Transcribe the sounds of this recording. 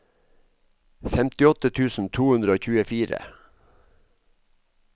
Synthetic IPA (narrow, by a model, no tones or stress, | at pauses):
fɛmt̪ɪɔt̪ət̪ʰʉːsn̩t̪ʰuːʉnd̪ɾəoːçʉːəfiːɾə̰